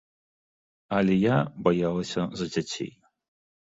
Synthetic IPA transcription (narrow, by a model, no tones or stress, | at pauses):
ɐlʲɛjabajalˠɐsʲɐzɐd͡zʲat͡sʲḛj